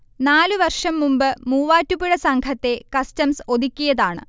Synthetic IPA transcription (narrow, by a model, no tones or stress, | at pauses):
naːlɨʋɐrʂɐmːumbɨmuːʋaːtːupːiɻɐsɐŋkʰɐt̪ːe̞kɐstɐmso̞d̪ikʲːijɐðaːɳɨ̰